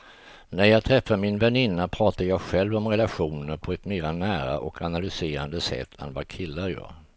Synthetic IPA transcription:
næɾjɑːɡ̚t̪ʰɾɛfːamɪnvɛnɪnːapʰɾɑːt̪ajɑːɡɧɛlvɔmɾɛlaɧuːnəɾpʰɔɛt̪meːɾanæːɾa̰ʔɔkʰanalʏseːɾa̰nd̪əsɛ̰t̪ʰːɛ̰nvakʰɪlːaɾjœ̰ːɾ

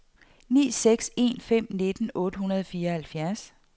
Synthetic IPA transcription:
nḭːseɡ̥se̝̰ːnfem̰ne̝d̥ən̩ɔ̽ːd̥əhunɐð̞ˠfiːɐɒhælfjæɐs

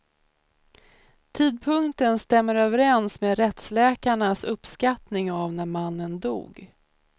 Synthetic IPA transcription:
t̪ʰiːd̪̚pʰɵŋkt̪ənst̪ɛmːəɾøːvəɾɛnsmeːd̪ɾɛt̪slɛːkaɳasɵpskat̪nɪŋavnæɾmanːənd̪ṵːɡ

